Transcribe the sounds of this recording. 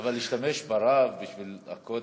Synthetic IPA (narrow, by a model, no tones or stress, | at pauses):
avalːiʃt̪ameʃbaɾavbiʃvila̰kod̪